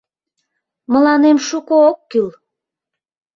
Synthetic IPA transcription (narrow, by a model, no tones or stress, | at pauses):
mə̆lɑnemʃukookːyl